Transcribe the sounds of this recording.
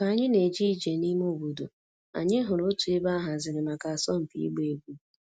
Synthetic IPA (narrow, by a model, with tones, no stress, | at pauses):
ka˨a˨ɲɪ˦ne˨d͡ʒi˦˨d͡ʒe˨ni˦m˦o˦˨bu˨do˨ | a̰˨ɲɪ˦ɦʊ˨ɾo˦tu˨e˦ba˦ɦa˨zɪ˨ɾɪ˨ma˨ka˨a˨sɔ˦m̩˨pḭ˨ḭ˦ɡ͡be˨e˨ɡu˦